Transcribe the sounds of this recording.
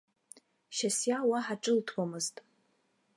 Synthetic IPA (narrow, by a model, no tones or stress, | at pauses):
ʃasjawaħaʈ͡ʂʼɨltʰwamɨztʼ